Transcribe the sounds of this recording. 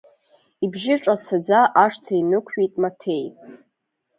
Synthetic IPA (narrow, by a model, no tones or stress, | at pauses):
ibʒɪʈ͡ʂʼat͡sʰad͡zaʔaʂtʰainɨkʷʰɥejtʼmatʰe̞j